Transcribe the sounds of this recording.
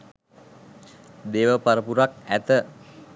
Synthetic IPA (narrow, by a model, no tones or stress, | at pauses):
d̪eʋəpaɾəpuɾak̚æt̪ə